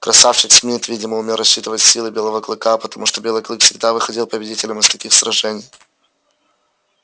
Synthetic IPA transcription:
kɾɐsafɕɪksʲmʲɪɪt̪vʲidʲɪməʊmʲelˠɾɐɕːit̪ɨvətʲsʲːilˠɨbʲelˠəvəklˠɨkapə̥t̪ɐmuʂt̪obʲelˠɨjklˠɨkfsʲɪɡ̚d̪avɨxɐdʲilˠpəbʲɪdʲitʲɪlʲəmɨst̪ɐkʲixsɾɐʐɛnʲɪj

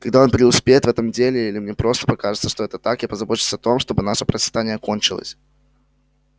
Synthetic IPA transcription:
kɐɡd̪ao̞npɾʲɪʊspʲejɪt̪vɛt̪əmdʲelʲɪilʲɪmnʲepɾo̞st̪əpɐkaʐɨt̪səʂt̪oɛt̪ət̪akjapəzɐbo̞t͡ɕʲɪlˠsʲəɐt̪o̞mʂt̪obɨnaʂəpɾət̪sʲɪ̥t̪anʲɪjəko̞nʲt͡ɕɪlˠə̰sʲ

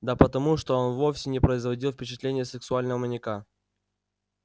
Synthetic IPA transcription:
d̪apət̪ɐmuʂt̪o̞o̞nvo̞fsʲɪnʲɪpɾəɪzvɐdʲilˠfpʲɪt͡ɕɪt̪lʲenʲɪjəsɨksʊalʲnəvəmənʲɪka

